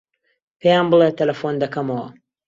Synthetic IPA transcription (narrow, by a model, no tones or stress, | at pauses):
pʰejaːnmbɨlˠet̪ʰɐlɐfond̪ɐkɐmɐwɐ